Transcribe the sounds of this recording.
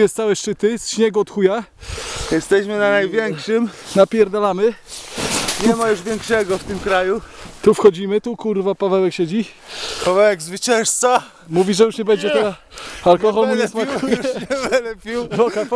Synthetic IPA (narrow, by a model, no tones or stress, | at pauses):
jɛst̪sawɛʂt͡ʂɘt̪ɘsɕɲɛɡuɔt̪xuja | jɛst̪ɛɕmɘnanajvʲjɛŋkʂɘmnapʲjɛɾd̪alamɘ | ɲɛmajuʐvʲjɛŋkʂɛɡɔft̪ɘmkɾajut̪ufxɔd͡ʑimɘt̪ukuɾvapavɛwɛkɕed͡ʑi | pavɛwɛɡzvɘt͡ɕɛ̃nst̪sa | muvʲiʐɛjuʂɲɛbɛɲd͡ʑɛt̪ɛalkɔxɔlɛsmakuɛvɛlɛpʲiwvɔkaf